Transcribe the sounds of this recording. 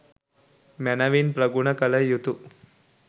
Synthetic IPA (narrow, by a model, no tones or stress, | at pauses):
manaʋiːnpɾəɡuɳ̃əkələjut̪u